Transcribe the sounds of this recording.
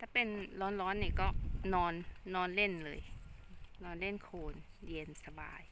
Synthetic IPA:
t̪ɛː˧˩pe˧nlɔː˨˦˥nlɔː˦˥nːiː˧˩kɔː˥˩nɔː˧nːɔː˧nle˥˩nlɤː˧j | nɔː˧nle˥˩nkʰoː˧nje˧nsa˧ba̰ː˧j

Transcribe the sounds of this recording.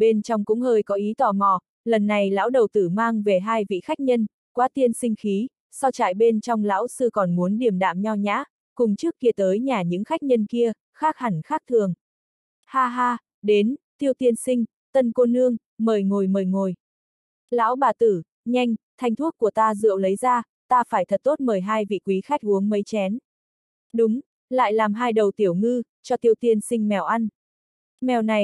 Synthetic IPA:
ɓe˧nt͡ɕɔ˧wŋ͡mkʊ̰˧˥ŋ͡mhəː˧jkɔ˨˦ʔi˨˦t̪waː˧˩mɔ˨˩ | lə˨˩nːa˨˩jla̰ː˧˥wɗə˨˩wt̪ɨ˧˩maː˧ŋve˨˩ɦaː˧jvḭ˧˨xa˦˥k̟̚ɲə˧n | kwaː˨˦t̪i˧ənsï˧ŋ̟xi˨˦ | sa˧wt͡ɕa̰ː˧˨jɓe˧nt͡ɕɔ˧wŋ͡mla̰ː˧˥wsɨ˧kɔ˨˩nmu˨˦ənɗi˨˩əmɗa̰ː˧˨mɲa˧wɲa̰ː˧˥ | kʊ˨˩ŋ͡mt͡ɕɨ˦˥əkːi˧ət̪əː˨˦jɲaː˨˩ɲɨ̰˧˥ŋxa˦˥jk̚ɲə˧nki˧ə | xaː˦˥k̚ha˨˩ŋ̟xaː˦˥k̚t̪ʰɨ˨˩əŋ | haː˧ɦaː˧ | ɗe˨˦nt̪i˧əwt̪i˧ənsï˧ŋ̟ | t̪ə˧nko˧nːɨ˧əŋ | məː˨˩jŋo˨˩jməː˨˩jŋo˨˩j | la̰ː˧˥wɓaː˨˩t̪ɨ˧˩ | ɲa˧jŋ̟t̪ʰa˧jŋ̟t̪ʰwu˦˥ət̚ku˧˩ət̪aː˧zɨ̰˧˨əwlə˨˦jzaː˧ | t̪aː˧faː˧˩jt̪ʰə˨˩t̚t̪o˦˥t̚məː˨˩jɦaː˧jvḭ˧˨kwi˨˦xa˦˥jk̟̚ʔu˨˦əŋmə˨˦jt͡ɕɛ˨˦n | ɗʊ˨˦ŋ͡m | la̰ː˧˨jlaː˨˩mɦaː˧jɗə˨˩wt̪i˧˩əwŋɨ˧ | t͡ɕɔ˧t̪i˧əwt̪i˧ənsï˧ŋ̟mɛ˨˩wʔa˧jn | mɛ˨˩wna˨˩j

